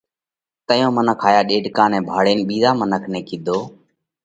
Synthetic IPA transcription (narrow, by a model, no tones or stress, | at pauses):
t̪əjõːmənəkʰaːjaːɗeːɖkãːnɛ̃ːbʱaːɽeːnːɓiːzaːmənəkʰnẽːkiːd̪ʱoː